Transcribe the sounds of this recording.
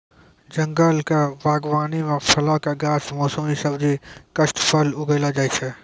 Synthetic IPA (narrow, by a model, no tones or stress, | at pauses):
d͡ʒɐ̃ŋɡəlkaʋaːɡʋaːnimẽpʰɐlakaɡaːsmɔːsəmisɐbd͡ʒikɐʃʈpʰɐlʊɡeːlad͡ʒaːit͡ʃʰɛː